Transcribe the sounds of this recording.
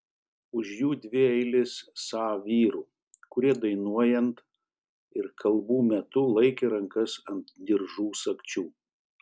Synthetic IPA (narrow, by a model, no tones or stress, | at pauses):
ʊʃjuːd̪ʲʋʲɪɛɪlʲɪsːɑːʋʲiːɾuː | kʊɾʲiɛd̪ɐɪnuɔjɛnt̪ | ɪɾkʰɐlˠbuːmʲɛt̪ʊlˠɐɪkʲeɾɐŋkɐsɐnt̪d̪ʲɪɾʒuːsɐkt͡ʃʲuː